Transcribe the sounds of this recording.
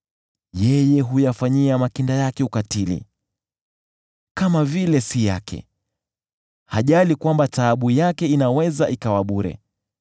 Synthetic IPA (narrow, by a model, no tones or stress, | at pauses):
jɛjɛɦujafaɲiamakindajakɛukatilḭ | kamavilɛsija̰kʰɛ̰ | haʄalikwambataɓujakɛinawɛzaʔikawaɓuɾɛ̰